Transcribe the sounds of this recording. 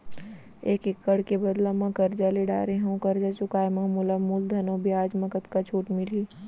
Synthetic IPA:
eːkekːəɽkebɐd̪lamãkɐɾd͡ʒaleɖa̰ːɾeɦũkɐɾd͡ʒat͡ʃʊkaːemãmʊlamuːld̪ʱɐnõbʱiaːd͡ʒmɐkət̪kat͡ʃʰuːʈmɪliː

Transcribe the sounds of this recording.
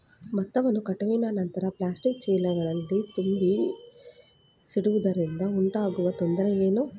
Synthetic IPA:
mɐt̪ːɐʋɐnukɐʈɐʋinɐnɐnt̪ɐɾɐplaːsʈikt͡ʃɛːlɐɡɐɭɐlːit̪umbi | siɽuʋud̪ɐɾind̪ɐuɳʈaːɡuʋɐt̪ond̪ɐɾeeːnu

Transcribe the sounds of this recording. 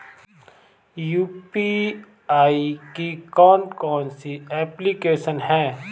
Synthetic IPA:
juːpi | aːikikɔːnkɔːnsiɛːplikeːʃənɦɛ̃ː

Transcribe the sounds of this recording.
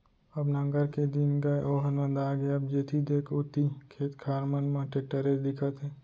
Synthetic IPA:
ɐbnɐ̃ŋɡəɾked̪ɪnɡɐeʔoːɦnə̃nd̪aːɡeɐbd͡ʒeːt̪ʰid̪eːkʰʊt̪ikʰeːt̪kʰaːɾmənmãʈeʈːəɾed̪ɪkʰət̪ɦɛː

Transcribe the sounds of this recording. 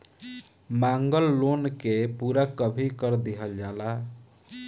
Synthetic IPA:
maŋɡəlːonkepuɾakəbʱikəɾd̪iɦəld͡ʒala

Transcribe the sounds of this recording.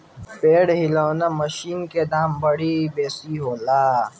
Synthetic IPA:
peːɽɦiloːnamɐʃiːnked̪aːmbɐɽibeːsiɦoːlaː

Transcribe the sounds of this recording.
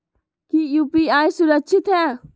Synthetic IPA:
kijuːpiaːisʊɾəkʃʰɪt̪ɦɛː

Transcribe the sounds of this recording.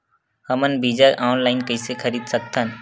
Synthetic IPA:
həmənbiːd͡ʒaʔaːnlaːɪnkəɪsekʰəɾiːd̪sək̚t̪ʰən

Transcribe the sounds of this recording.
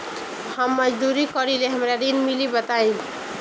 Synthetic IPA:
hʌmːʌd͡ʒd̪uɾikʌɾileɦʌmɾaɾinmilibʌt̪aj̃

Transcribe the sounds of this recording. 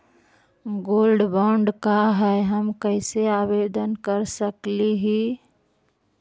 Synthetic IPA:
ɡoːlɖbɔːɳɖkaɦɛɦəmkəɪseabed̪ənkəɾsəkliɦi

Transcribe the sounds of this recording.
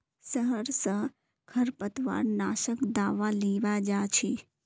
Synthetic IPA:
səɦəɾsə̃ | kʰɐɾpət̪ʋa̰ːɾnaːʃəkd̪aːʋaliːʋad͡ʒaːt͡ʃʰi

